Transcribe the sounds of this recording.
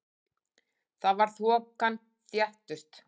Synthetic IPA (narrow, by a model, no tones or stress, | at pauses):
θaðvaɾ̥θvɔːkan | θjɛht̪ʏst̪